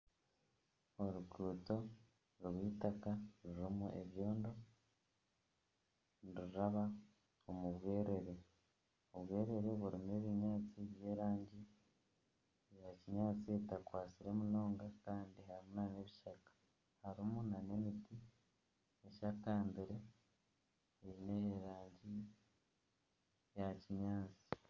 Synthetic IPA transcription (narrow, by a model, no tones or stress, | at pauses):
oɾukuːto̞ | ɾwwiːtakaɾuɾomuʔe̞βjo̞ːndo̞ | ɾuɾaβa | omuβwe̞ːɾe̞ɾe̞ | oβweːɾe̞ɾe̞βuɾimue̞βiɲaːt͡siβje̞ːɾaːɲɟi | jaciɲaːt͡sitakwaːt͡siɾe̞muno̞ːŋɡakaːndiɦaɾimunane̞βiʃakḁ | haɾimunane̞miti | eʃakaːmbiɾe̞ | ineːɾaːɲɟi | jaciɲaːt͡si̥